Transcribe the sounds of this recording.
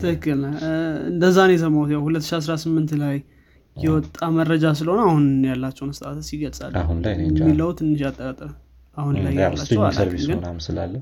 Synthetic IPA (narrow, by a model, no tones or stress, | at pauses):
t̪ʰɨɨkːɨlnəɨ̰nd̪əzːanjɛsəmːawt̪jawhulət̪ːə̥ʃiasɾasɨmːɨnt̪laj | jɛwɔt̪ʼːaməɾəd͡ʒas̬ɨləho̞nəahunjalːat͡ʃːɛwunst̪ʼat̪siɡəlsʼa̰lːa̰hunlajnemːiləwt̪ʰɨnːɨʃat̪ʼːəkʼat̪ʼəɾ | ahunajaat͡ʃ̪ɛwa̰əɾesɡonamsɨla̰lːə